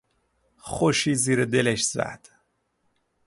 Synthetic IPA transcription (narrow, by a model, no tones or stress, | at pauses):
xoʃiːziːɾed̪eleʃz̥æ̰d̪̥